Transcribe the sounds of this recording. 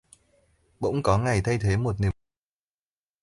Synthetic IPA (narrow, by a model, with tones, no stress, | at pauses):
ɓə̰˧˥wŋ͡mkɔ˨˦ŋa˨˩jt̪ʰa˧jt̪ʰe˨˦mo˨˩t̚ni˨˩